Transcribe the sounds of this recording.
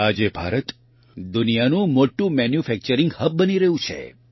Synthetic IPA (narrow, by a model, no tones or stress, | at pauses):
ad͡ʒebʱaɾət̪ | d̪unijanũmoʈũmɛnjufɛk̚t͡ʃəɾɪŋɡhəb̚bəniɾəɦũt͡ʃʰḛ